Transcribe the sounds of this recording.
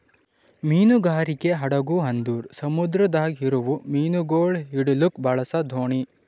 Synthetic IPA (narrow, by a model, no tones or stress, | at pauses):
miːnuɡaːɾikeɦɐɽɐɡuɦɐnd̪uːɾsɐmud̪ɾɐd̪aːɡɦiɾuʋumiːnuɡoːɭɦiɽulukbɐɭɐsɐd̪ʱoːɳi